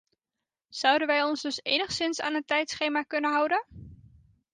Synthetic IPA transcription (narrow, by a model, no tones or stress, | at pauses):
z̥ʌwdənʋɛjɔnzdɵsḛjnəχsɪnsa̰ːnɦəntɛjtsχejmaːkɵnənɦʌwdən